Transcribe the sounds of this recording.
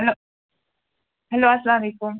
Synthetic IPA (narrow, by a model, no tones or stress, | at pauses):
lo | ɦɛloːasɐlaːmɐleːkʊm